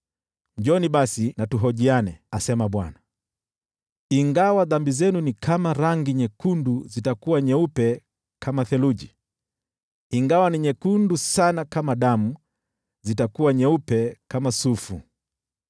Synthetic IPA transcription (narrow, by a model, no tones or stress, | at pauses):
ɲd͡ʒɔniɓasinatuɦɔʄianɛasɛmaɓwa̰na | iŋɡawaðambizɛnunikʰamaɾaŋɡiɲɛkunduzitakuwaɲɛupɛ | kʰamaθɛluʄi | iŋɡawaniɲɛkundusanakamaɗamu | zitakuwaɲɛupɛkamasufu